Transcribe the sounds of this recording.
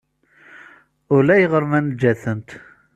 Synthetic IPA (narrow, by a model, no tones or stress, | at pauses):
ʊlæjəʁəɾˤmænd͡ʒːæθənt̪